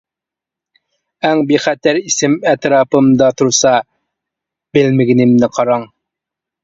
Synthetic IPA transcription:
æŋbiχæt̪ʰæɾisɪmɛt̪ɾɑːpɨmd̪ɑt̪ʰuɾsɑ | bɪlmɪɡʲɪnɪmnɪqʰɑɾɑŋ

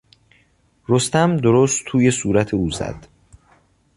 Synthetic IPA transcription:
ɾost̪æmd̪oɾoːst̪ʰuːje̞suːɾæt̪ʰeuːzæ̰d̪̥

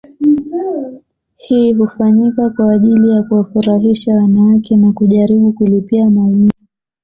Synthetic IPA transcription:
hiːɦufaɲikakwaːʄilijakuwafuɾaɦiʃawanawakɛnakuʄaɾiɓukulipiamaumivi

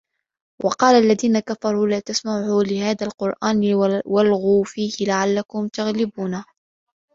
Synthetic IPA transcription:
wʔɑqɑːlaʔlːaðiːnakafɑɾˤuːlaːt̪asmaʕuːlɪhaːðaːlqʊɾʔaːnwalɣuːfiːhɪlaʕalːakʊmt̪aɣlɪbuːnaː

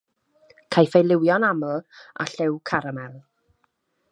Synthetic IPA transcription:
kʰajfejlˠɪwjɔnaml̩ˠa̰ɬɪwkʰaɾamɛlˠ

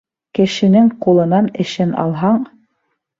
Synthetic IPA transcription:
kɘ̆ʃɘ̆nɘŋqulˠɤ̆nɑnɘ̆ʃɘnɑ̰lˠɦɑɴ

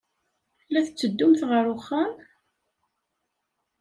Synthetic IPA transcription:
læθət͡sːəd̪ːʊmθʁəɾʊχːæm

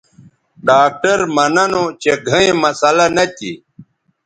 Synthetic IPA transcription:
ɖaːk̚ʈɐɾmɐnɐnot͡ɕeɡʱɐ̃ẽmɐsɐlɐnɐt̪ḭ

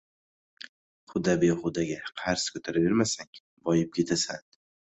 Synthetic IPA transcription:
χʊd̪abeχʊd̪aɡʲaqʰaɾskʰɵt̪ʰaɾave̞ɾmasaŋ | bɒjɪp̚kʲʰe̞t̪ʰasa̰n

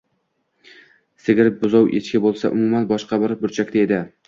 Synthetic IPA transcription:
sɪɡʲɪɾɪp̚bʊzɒwʔet͡ʃkʲɪbolˠsa̰ʔʊ̰mʊmanbɒʃqɑbɪɾbʊɾt͡ʃʰakʲt̪aed̪ɪ

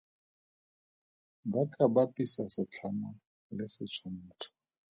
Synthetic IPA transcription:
bakʼabapʼisasɪt͡ɬʰama | lɪsɪt͡ʃʰam̩ːtʰʊ̥

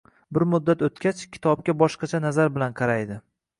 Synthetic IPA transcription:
bɪɾmʊd̪ːat̪ot̪kʲat͡ʃkʲʰɪ̥t̪ʰɒb̚kʲabɒʃqɑt͡ʃʰanazaɾbɪlanqʰɑɾajd̪ɪ

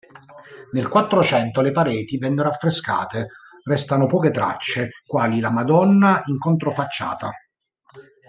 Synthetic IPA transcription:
nelkwat̪ːɾot͡ʃɛnt̪olepaɾɛːt̪ivɛnːoɾoafːɾeska̰ːt̪e | rɛst̪anopɔːket̪ɾa̰t͡ʃːekwaːlilamad̪ɔnːaiŋkont̪ɾofat͡ʃːa̰ːt̪a

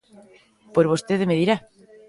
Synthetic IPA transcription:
poɾβost̪eðemeðiɾa

